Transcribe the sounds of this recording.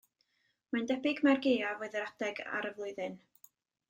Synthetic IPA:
mandɛbɪɡmarɡejavoɨðəɾad̥ɛɡa̰ɾəvlˠʊɨðɨn

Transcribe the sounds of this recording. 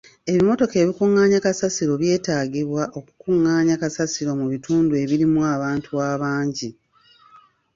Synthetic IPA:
e̞βimo̞to̞keːβikuŋːaːɲakasasiɾo̞βje̞ːtaːɡiβwaʔo̞kukuŋːaːɲakasasiɾo̞muβituːndue̞βiɾimuaːβaːntʰuaːβaːɲɟi

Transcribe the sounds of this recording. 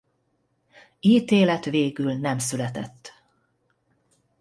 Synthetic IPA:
iːt̪eːlɛt̪ʋeːɡylnɛmsylɛt̪ɛ̰t̪ː

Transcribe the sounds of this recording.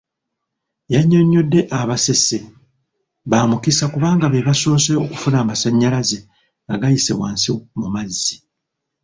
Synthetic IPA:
jaɲːo̞ɲːo̞dːe̞ʔaβase̞se | βaːmukisakuβaːŋɡaβeβaso̞ːseoku̥funaːmasaɲːalaze̞ | ŋɡaɡajisḛβwa̰ːnsimumazːi

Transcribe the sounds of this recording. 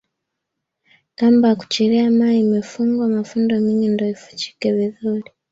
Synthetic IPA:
kambaku̥t͡ʃiɾiamaimefuŋɡwamafundomiɲindoifu̥t͡ʃi̥kɛβiðuɾi

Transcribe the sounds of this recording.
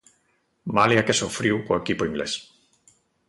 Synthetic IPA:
maliakesofɾiwkoekipoiŋɡlḛs

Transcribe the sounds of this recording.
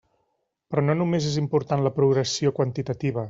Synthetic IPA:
pɾɔnonumezezimpuɾt̪anləpɾuɣɾəsiokwənt̪it̪ət̪iβ̞ə

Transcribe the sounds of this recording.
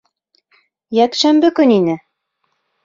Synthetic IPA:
jækʃæmbɘkɵninɘ

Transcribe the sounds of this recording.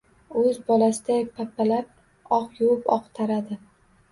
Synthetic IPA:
ɵzbɒlasɪd̪apʰapʰːalaɾ | ɒqjuʊpɒ̰qt̪ʰaɾad̪ɪ

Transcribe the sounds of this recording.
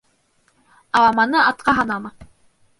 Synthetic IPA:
ɑlɑmɑnɤɑt̪̚qɑɦɑnɑmɑ

